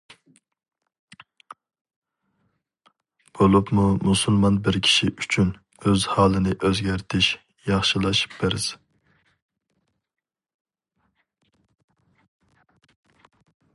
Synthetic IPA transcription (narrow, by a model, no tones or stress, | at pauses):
b̥olˠupmumusulˠmɑnbɪɾkʲʰi̥ʃiʔyt͡ʃʰyn | øzhɑːlˠɨnɪʔøzɡʲæɾt̪ʰɪʃ | jɑχʃɨlˠɑʃi̥pbeɾɪz̥